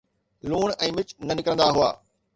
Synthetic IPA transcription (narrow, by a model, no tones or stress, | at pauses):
luːɳɛ̃ːmɪt͡ɕnɐnɪkɾə̃nd̪aɦʊaː